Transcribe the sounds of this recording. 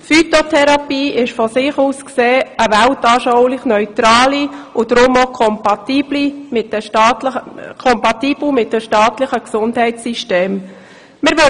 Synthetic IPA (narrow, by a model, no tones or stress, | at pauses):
fyt̪otʰɛɾɑpiːʔɪʃfɔsɪχuːskseːəvæltɑːɾʃɔwlɪχnœʏtɾɑːliʊd̥ɾʊmokʰɔmpɑtiːblimɪtɛɑːtlkʰɔmpɑt̪iːb̥ləmɪt̚dəʃtɑːtlɪχəksʊndhɛɪtsiʃteːm | mɪɾʋø